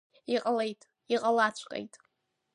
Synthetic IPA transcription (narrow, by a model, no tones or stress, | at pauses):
iqʼalejtʼ | iqʼalat͡ɕʷʰqʼḛjtʼ